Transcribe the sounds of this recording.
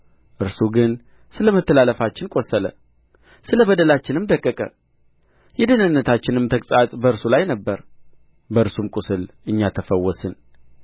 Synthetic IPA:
ʔɨɾsuɡɨn | sɨləmət̪ʰːəlaləfat͡ʃːɪnkʼo̞sələ̰ | sɨləβəd̪əlat͡ʃːɪnɨmd̪əkʼːəkʼə̰ | jɛd̪ənɨnːət̪ʰat͡ʃːɪnɨmt̪ʰəkʼsʼat̪ʼbəɨɾsulajnəbːəɾ | bəɨɾsumkʷʼʊsɨlʔɨɲːat̪ʰəfəwːɔsɨn

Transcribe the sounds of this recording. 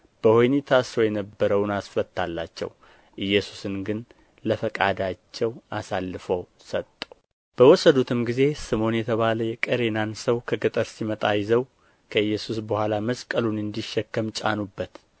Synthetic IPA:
b̥əhojnit̪ʰasɾojɛnəbːəɾəwnasfət̪ʰːalːa̰t͡ʃːɛ̰w | ʔɨjːɛsu̥sɨnɡɨn | ləfəkʼad̪at͡ʃːɛwasalːɨfəw | sət̪ʼːəw | b̥əwɔsːəd̪ut̪ʰɨmɡize̞sɨmo̞njɛt̪ʰəβaləjɛkʼəɾe̞nansəwkʰəɡət̪ʼəɾsimət̪ʼajɪzəw | kʰəɨjːɛsusbəhʷalaməskʼəlunɨnd̪iʃːɛkːəmt͡ʃʼa̰nubːət̪

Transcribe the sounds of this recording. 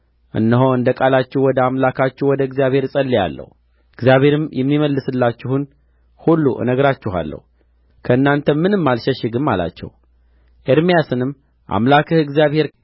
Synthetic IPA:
ʔɨ̰nːəɦoɨnd̪əkʼalat͡ʃːɪhwɔd̪əamlakʰat͡ʃːɪhwɔd̪əɨɡzijaβhe̞ɾsʼəlːija̰lːə̰h | ɨɡzijaβhe̞ɾɨmjɛmːiməlːɨsɨlːat͡ʃːɪhun | hulːuʔɨ̰nəɡɾat͡ʃːɪɦa̰lːə̰hu | kʰəɨnːant̪ʰəmːɨnɨmːalʃɛʃɪɡɨmːala̰t͡ʃːɛ̰w | ʔeɾmijasɨnɨmː | ʔa̰mlakʰɨhɨɡzijaβhe̞ɾ

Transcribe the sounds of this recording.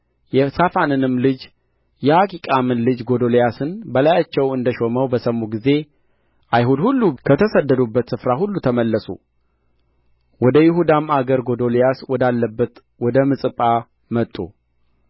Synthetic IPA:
jɛsafanɨnɨmlɨd͡ʒ | jɛakʰʼikʼamɨnlɨd͡ʒɡo̞d̪olejasɨnbəlajat͡ʃːɛwɨnd̪əʃo̞məwbəsəmuɡize̞ | ʔajɦud̪hulːukʰət̪ʰəsəd̪ːəd̪ubːət̪sɨfɾahulːut̪ʰəməlːəsṵ | wɔd̪əjɪɦud̪amaɡəɾɡo̞d̪o̞lejaswɔd̪alːəbːət̪ | wɔd̪əmɨsʼɨpʼa | mət̪ʼːṵ

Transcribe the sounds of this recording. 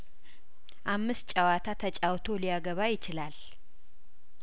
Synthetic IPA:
ʔamːɨs̚t͡ʃʼawat̪ʰat̪ʰət͡ʃʼawt̪ʰo̞lijaɡəβajɪt͡ʃɪlal

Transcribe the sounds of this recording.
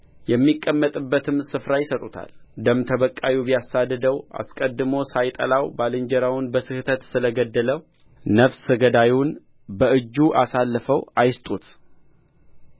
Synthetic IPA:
jɛmːikʼːəmːət̪ʼɨbːət̪ʰɨmsɨfɾajɪsət̪ʼut̪ʰa̰ld̪əmt̪ʰəβəkʼːawubijasad̪ːɨd̪əwa̰skʼəd̪ːɨmo̞sajt̪ʼə̰lawbalɨɲd͡ʒəɾawunbəsɨhɨt̪ʰət̪sɨləɡəd̪ːələw | nəfsɨɡəd̪ajun | bəʔɨd͡ʒːuʔasalːəfəwajɪst̪ʼut̪

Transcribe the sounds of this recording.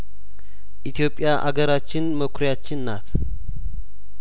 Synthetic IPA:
ʔit̪ʰijo̞pʼːjaʔaɡəɾat͡ʃːɪnməkʷʰɾjat͡ʃːɪnːat̪

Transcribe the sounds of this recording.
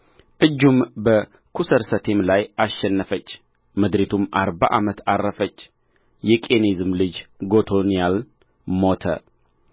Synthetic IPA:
ʔɨd͡ʒːumbə | kʰusəɾsət̪ʰe̞mlajaʃːɛnːəfət͡ʃː | məd̪ɾet̪ʰumʔaɾba̰ʔamət̪arːəfət͡ʃː | jɛkʼenizɨmlɨd͡ʒɡo̞t̪ʰonijal | mo̞t̪ʰə̰

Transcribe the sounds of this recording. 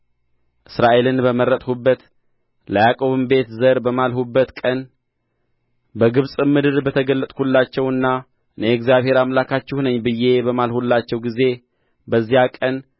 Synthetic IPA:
ʔɨsɾaʔe̞lɨnbəməɾət̪ʼhubːət̪ | ləjakʼo̞βɨmbe̞t̪zəɾbəmalhubːət̪kʼən | bəɡɨβsʼɨmɨd̪ɨɾbət̪ʰəɡəlːət̪ʼhʰulːat͡ʃːɛwɨnːa | ɨneɛkzjaβhe̞ɾamlakʰat͡ʃːɛhunəɲːbɨjːe̞bəmalhulːat͡ʃːɛwɡize̞ | bəzːijakʼən

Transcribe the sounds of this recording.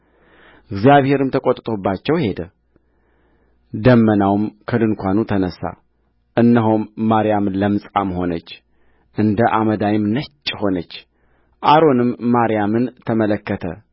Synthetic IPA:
ʔɨɡzijaβhe̞ɾɨmt̪ʰəkʼot̪ʼt̪ʼobːat͡ʃːɛwhe̞d̪ə | d̪əmːənawmkʰəd̪ɨnkʷanut̪ʰənəsːa̰ | ʔɨnːəɦomːaɾijamnləmɨsʼamho̞nət͡ʃː | ʔɨnd̪əʔaməd̪ajɪmnət͡ʃʼːho̞nət͡ʃː | ʔaɾo̞nɨmːaɾijamɨnt̪ʰəmələkːət̪ʰə̰

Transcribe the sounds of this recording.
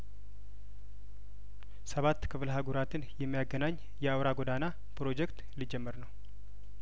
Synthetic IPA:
səβat̪ːkʰɨfɨlɦaɡuɾat̪ʰɨnjɛmːijaɡənaɲː | jɛawɾaɡod̪ana | pɾo̞d͡ʒɛkt̪lid͡ʒɛmːəɾnəw

